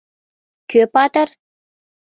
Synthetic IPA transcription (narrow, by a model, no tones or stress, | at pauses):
køpɑt̪ər